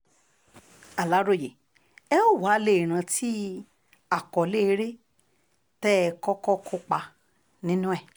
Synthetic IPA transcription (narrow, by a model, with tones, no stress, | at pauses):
a˨la˨˦ɾo˦˨je˨ | ɛ˦o˦˨wa˨˦le˨ɾ̃ã˧tʰi˦ | a˨kɔ˨le˦˧˦ɾe˦ | tɛ˦˧kɔ˦kɔ˦kʰo˧k͡pa˧ | nĩ˦nũ˦ɛ˦˨